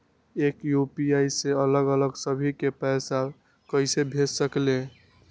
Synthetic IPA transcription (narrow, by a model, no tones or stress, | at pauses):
ekjupiaiseələɡələɡsəbʱikepɛsa | kəɪsebʱetsəkle